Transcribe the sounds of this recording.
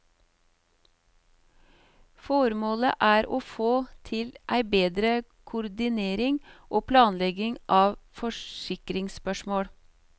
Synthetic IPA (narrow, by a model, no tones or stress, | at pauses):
fɔɾmoːlə̰ʔæːɾoːfoːt̪ʰɪlʔæɪbeːd̪ɾə | kʰʊɾd̪ɪneːɾɪŋʔoːpʰlɑːnlɛɡɪŋʔɑːʋfɔʃɪkɾɪŋspœʃmoːɽ